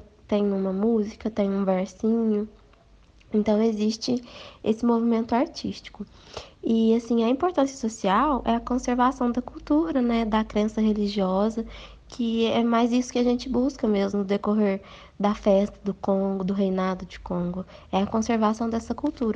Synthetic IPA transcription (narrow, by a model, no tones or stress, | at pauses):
t̪ẽɲũmɐmuzikɐt̪ẽj̃ũvɛɾsĩɲʊ | ẽnt̪ɐ̃w̃eziʃt͡ʃɪesɪmovimẽnt̪ʊaɾt͡ʃiʃt͡ʃi̥kʊ | ɪasĩɐĩpoɾt̪ɐ̃sjɐ̥sosiawʔɛɐkõseɾvasɐ̃w̃d̪ɐkuwt̪uɾɐnɛd̪ɐkɾẽsɐɦeliʒiɔzɐ | kʰɪɛmajzisʊ̥kɪaʒẽnt͡ʃɪbuskɐmezmʊd̪ekoɦeɾ | d̪ɐfɛst̪ɐd̪ʊkõɡʊd̪ʊɦejnad̪ʊd͡ʒɪkõɡʊɛɐkõseɾvasɐ̃w̃d̪ɛsɐkuwt̪uɾɐ